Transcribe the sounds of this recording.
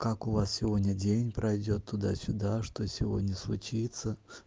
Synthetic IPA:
kakʊvassʲɪvodʲnʲədʲenʲpɾʔɐjdʲo̞t̪ʰːʊd̪a̰sʲʊd̪aʂt̪osʲɪvo̞̰dʲnʲəslˠʊt͡ɕit̪sə

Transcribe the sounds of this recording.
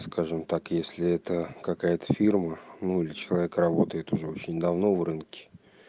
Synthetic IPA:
skaʐɨmt̪akjesʲlʲɪɛt̪əkɐkajət̪ə̥fʲirmənuilʲɪt͡ɕɪlˠɐvʲekrɐbo̞t̪əjɪt̪ʊʐɛot͡ɕɪnʲd̪ɐvno̞vrɨnkʲɪ̥

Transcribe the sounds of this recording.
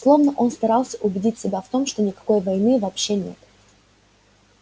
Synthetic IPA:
slˠo̞vnəʔo̞nst̪ɐɾɑlˠsʲə̥ʔʊbʲɪdʲitʲsʲɪbʲaft̪o̞mʂt̪o̞nʲɪkɐ̥ko̞jvɐjnɨvɐːpɕːenʲḛt̪

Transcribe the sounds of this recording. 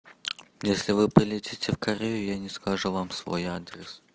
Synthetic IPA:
jesʲlʲɪvɨpɾʲɪlʲɪtʲitʲɪfkɐɾʲejʊjanʲɪskɐʐuvamsvo̞̰jad̪ɾʲɪs

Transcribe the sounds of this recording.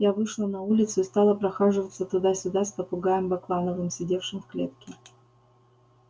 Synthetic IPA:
javɨʂlˠənɐulʲɪt̪sʊist̪ɑlˠəpɾɐxaʐɨvət̪sət̪ʊd̪asʲʊd̪aspəpʊɡajəmbɐklˠanəvɨmsʲɪdʲe̞fʂɨmfklʲe̞t̪kʲɪ

